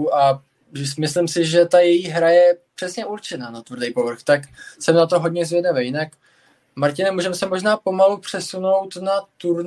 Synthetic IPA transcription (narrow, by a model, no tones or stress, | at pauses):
ʔa | mɪslɪmsɪʒɛt̪ajɛjiːɦɾajɛpr̝̥ɛsɲɛʔuɾt͡ʃɛnaːnat̪vr̩dɛjpo̞vr̩xt̪aksɛmnat̪o̞ɦodɲɛzvʲjɛdavejɪnak | maɾcɪnɛmuːʒɛmsɛmo̞ʒnaːpo̞malupr̝̥ɛsuno̞wt̪nat̪uɾn